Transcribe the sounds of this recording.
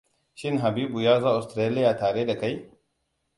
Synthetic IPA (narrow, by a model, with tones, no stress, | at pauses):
ʃɪ˦ŋɦa˨biː˦bu˨jaː˦zaː˦ʔa˨stɾeː˦lɪ˦jaː˨taː˨ɽeː˦da˨ka˦j